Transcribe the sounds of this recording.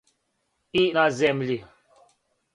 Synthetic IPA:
inazɛmli

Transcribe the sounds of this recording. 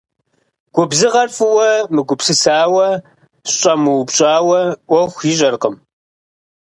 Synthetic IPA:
ɡ̥ʷʊbzɨʁɐrfʼɨwɐmɨɡʷʊpsɨsaːwɐ | ɕɕʼɐmɨwpɕʼaːwɐʔʷɔxʷjiɕ̬ʼɐrqəm

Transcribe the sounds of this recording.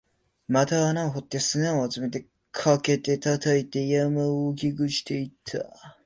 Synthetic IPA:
mat̪aːnaɦot̪ːe̞sɨnaohat͡sɨme̞t̪e̞ | kʰake̞t̪e̞t̪at̪ʰait̪e̞jamɯoːk̬ʲiɡɯ̟ɕi̥t̪e̞it̪ʰːa̰

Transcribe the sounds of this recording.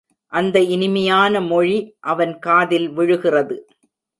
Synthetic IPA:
ʔɐnd̪ɐɪnɪmɐjaːnɐmɔɻiʔɐʋɐnkaːðɪlʋɪɻɯɣɪrɐðɯ

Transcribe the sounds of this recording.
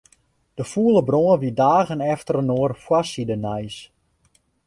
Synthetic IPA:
d̥əfuəlˠəbroənʋidaːɣənɛftərənoərfwasidənɛjs

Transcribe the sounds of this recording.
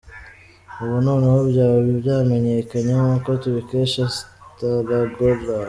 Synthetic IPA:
uβunoːnehoβɟaːβoβiβɟaːme̞ɲe̞kaɲehokotuβikeʃastaɾaɡoɾa

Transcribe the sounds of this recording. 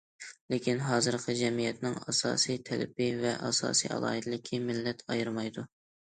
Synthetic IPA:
lekʲinɦɑːzɨɾqʰɨd͡ʒɛmijɛt̪nɪŋɑsɑ̰ːsijt̪ʰɛlɪ̰pɪvɛʔɑ̰sɑ̰ːsijɑ̰lˠɑ̰ːɦɨd̪ɨlɪkʲʰimɪlːɛt̪ʰɑjɨɾmɑjd̪u

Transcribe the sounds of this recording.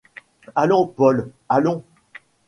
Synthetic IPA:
alɔ̃pɔl | alɔ̃

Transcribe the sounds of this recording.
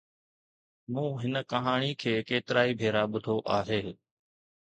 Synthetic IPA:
mũːɦɪnəkəɦaːɳ̃ikʰeːkeːt̪ɪɾaːibʱeːɾaːɓʊd̪ʱoːʔaːɦeː

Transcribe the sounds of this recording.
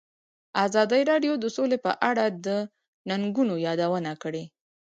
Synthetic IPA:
azɑd̪əjɾɑɖjod̪əsolepə̰ʔaɽad̪ə | naŋɡunojɑd̪awənakəɽe

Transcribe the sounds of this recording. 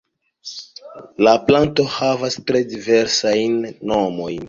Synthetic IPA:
laplanto̞havastɾe̞dive̞ɾsajnːo̞mo̞jn

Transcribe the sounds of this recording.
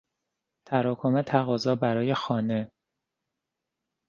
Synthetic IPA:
t̪ʰæɾɒːkʰomet̪ʰæɣɒːzɒːbæɾɒːje̞xɒːne̞

